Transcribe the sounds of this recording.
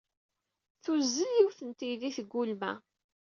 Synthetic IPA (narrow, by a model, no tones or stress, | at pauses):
θuzːəljiwθənt̪iðiθəɡʷːulmæ̰